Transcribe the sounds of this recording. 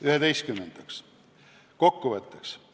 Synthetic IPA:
yhed̪e̞jst̪kymːend̪̥ɑks | ko̞kːuvət̪ːˑeks

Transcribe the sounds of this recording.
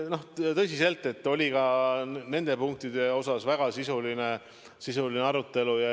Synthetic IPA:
no̞ht̪ɤ̞s̬ise̞lt̪ːˑe̞t̪ːo̞lʲikɑne̞nd̪̥e̞puŋk̚t̪id̪̥e̞o̞sɑsvæɡ̥ɑsisuline̞ | sisulineɑɾut̪ːˑe̞lujɑ

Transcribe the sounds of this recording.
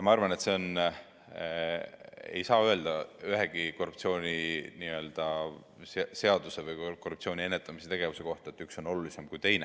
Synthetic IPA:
jɑmɑɑrvɑne̞t̪se̞on | ḛjsɑːøe̞ld̪̥ɑyɦe̞ɡ̥iko̞rːup̚t̪sio̞ːnʲiniø̞ld̪̥ɑ | sese̞ɑd̪̥use̞vɯjkorːup̚t̪sio̞ːnʲie̞nːet̪ːˑɑmise̞t̪e̞ɡ̥e̞vuse̞ko̞ht̪ɑet̪ːˑykso̞no̞lulise̞mkujt̪e̞jne

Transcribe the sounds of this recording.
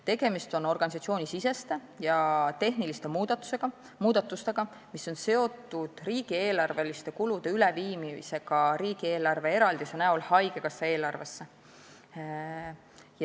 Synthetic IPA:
t̪e̞ɡ̥e̞mist̪o̞no̞rɡ̥ɑnis̬ɑt̪sioːnʲisise̞st̪e | jɑt̪e̞ɦnilist̪emud̪ɑt̪u̥seɡ̥ɑ | muːd̪̥ɑt̪ːˑust̪e̞ɡ̥ɑ | misːo̞nse̞o̞t̪ːˑud̪̥riːɡ̥ie̞ːlɑrve̞list̪e̞kulud̪e̞yleviːmimḭse̞ɡ̥ɑɾiːɡ̥ie̞ːlɑrve̞e̞ɾɑld̪̥isenæolhɑjɡ̥e̞ɡ̥ɑsːee̞ːlɑrve̞sːe | j

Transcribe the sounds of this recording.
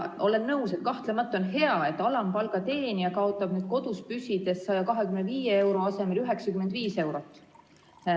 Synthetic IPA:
o̞le̞nːɤwset̪kɑht̪lemɑt̪ːˑo̞nɦe̞ɑe̞t̪ːˑɑlɑmpɑlɡ̥ɑt̪e̞ːniɑkɑo̞t̪ːˑɑb̥nyːd̪̥̚ko̞d̪̥uspysid̪̥e̞ssɑjɑkɑɦekymneviːjee̞wɾo̞ɑse̞melyɦeksɑkymːed̪viːse̞wɾo̞t̪ːˑ

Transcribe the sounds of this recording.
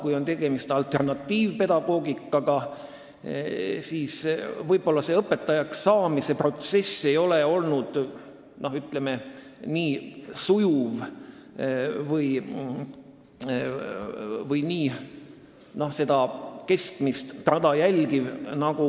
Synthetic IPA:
kujo̞nt̪e̞ɡ̥e̞mist̪ɑlt̪e̞rnɑt̪ːiːvpe̞d̪ɑɡ̥o̞ːɡikːˑɑɡɑ | siːsvɤjb̥o̞lːɑse̞ɤpːˑe̞t̪ːˑɑjɑksɑːmise̞pro̞t̪se̞sːe̞jo̞le̞o̞lnud̪̥ | no̞ɦyt̪ˑleme | niːsujuv | vɤj | vɤjniː | no̞hse̞d̪̥ɑke̞skmist̪ːɑd̪̥ɑjælʲɡivnɑɡ̥u

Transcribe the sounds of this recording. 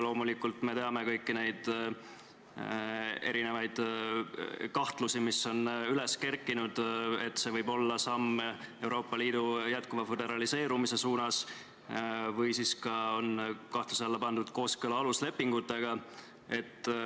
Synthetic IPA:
lo̞ːmulikːult̪me̞t̪e̞ɑme̞kɤjkːine̞jd̪̥ | e̞ɾine̞vɑjd̪̥ | kɑht̪lusimisːo̞nyle̞ske̞rkːˑinud̪̥et̪ːˑse̞vɤjbo̞lːɑsɑmːe̞wɾo̞ːpːˑɑliːd̪̥ujæt̪kuvɑfed̪̥e̞ɾɑlise̞ːɾumise̞suːnɑs | vɯjsiːskɑo̞nkɑht̪luseɑlːɑpɑnd̪̥ud̪̥ko̞ːskəlɑɑlusle̞pːiŋɡ̥ut̪ːˑe̞ɡ̥ɑ | e̞t̪ːˑ

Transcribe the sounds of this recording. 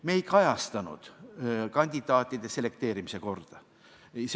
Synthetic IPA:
me̞ːjkɑjɑst̪ɑnṵd̪̥kɑnʲd̪̥ʲid̪̥ɑːt̪ʲːˑid̪̥e̞sele̞kt̪e̞ːɾimise̞ko̞rd̪̥ɑ | s

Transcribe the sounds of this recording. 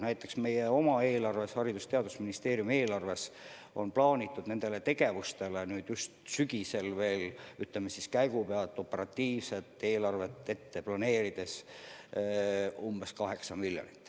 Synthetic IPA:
næjt̪ːˑe̞ksme̞jeo̞mɑe̞ːlɑrve̞shɑɾid̪̥ust̪e̞ɑd̪̥usminist̪e̞ːɾrjume̞ːlɑrve̞s | o̞̰nplɑːnʲit̪ːˑud̪̥ne̞nd̪̥e̞let̪e̞ɡe̞vust̪e̞lenyːd̪̥just̪syɡise̞lve̞ːlyt̪lemesiskæjɡupeɑlt̪ːˑo̞pːˑe̞ɾɑt̪ːiːvse̞t̪ːˑe̞ːlɑrve̞t̪ːˑe̞t̪ːe̞plɑne̞ːɾid̪̥e̞s | umb̥e̞skɑɦe̞ksɑmiljonit̪ːˑ

